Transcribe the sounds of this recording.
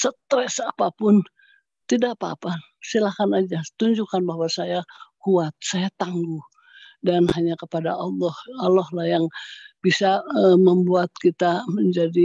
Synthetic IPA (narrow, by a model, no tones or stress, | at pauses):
sət̪ɾɛsapapʊn | t̪idapa̰ːpa | silakanad͡ʒat̪uɲd͡ʒukanbaɦwasajakuat̪̚sajat̪aŋɡu | danhaɲakəpadaɑlːɔhalɔhlahjaŋb̥isaəməmbuat̪̚kit̪aməɲd͡ʒadi